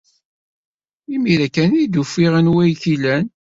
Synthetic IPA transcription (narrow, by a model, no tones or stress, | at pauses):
imiɾækænid̪ufiʁənwæjçilæn